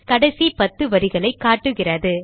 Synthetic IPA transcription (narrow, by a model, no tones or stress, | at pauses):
kɐɽɐsipɐt̪ːɯʋɐɾɪɣɐɭɐɪkːaːʈːɯɣɪrɐðɯ